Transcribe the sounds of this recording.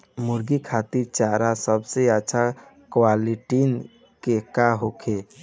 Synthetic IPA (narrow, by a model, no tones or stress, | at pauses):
muɾɡikʰat̪iɾt͡ʃaɾasəbseəːt͡ʃʰa | kwaliʈin | kekaɦokʰe